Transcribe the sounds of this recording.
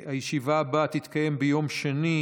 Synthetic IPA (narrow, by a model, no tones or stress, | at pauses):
hajeʃivaːbat̪it̪kaje̞mbejo̞mʃeni